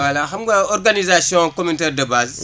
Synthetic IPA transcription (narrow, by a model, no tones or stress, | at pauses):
walaxamɡaoɾɡanizasiɔ̃kominteɾdɐbaz